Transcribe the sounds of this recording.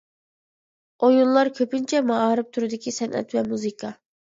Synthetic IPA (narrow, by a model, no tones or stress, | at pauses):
ojunlˠɑɾkʲʰøpynt͡ʃʰɛmɑɑːɾɨp̚t̪ʰuɾɨd̪ɪkʲʰisɛnʔɛ̰t̪vɛmuzɨkʰɑ